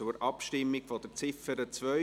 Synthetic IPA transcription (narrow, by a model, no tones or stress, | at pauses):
ʊɾɑpʃtɪmːiɡ̥fɔd̥ət͡sɪfəɾət͡svœ